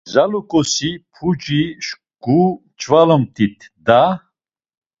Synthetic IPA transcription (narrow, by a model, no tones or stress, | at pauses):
zalukʼɔsipʰut͡ʃʼiʃ | kʼu | t͡ʃʰʼvalɔmt̪ʰʼit̪ʰd̪a